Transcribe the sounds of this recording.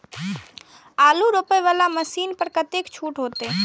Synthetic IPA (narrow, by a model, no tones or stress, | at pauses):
aːluɾoːpəjʋalaməsiːnpəɾkət̪ekt͡ʃʰuːʈɦoːt̪eː